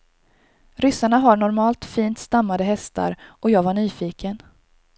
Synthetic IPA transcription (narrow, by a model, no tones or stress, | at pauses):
ɾʏsaɳaɦaɳɔɾmɑːlt̪fiːnt̪st̪amːad̪əɦɛst̪ʰa̰ɾʔɔjɑːɡvaɳyːfiːkən